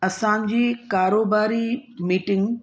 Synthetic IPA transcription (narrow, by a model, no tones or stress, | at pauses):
ɐsãːɲd͡ʑiːkaːɾoːbaːɾimiːʈɪ̃ŋɡ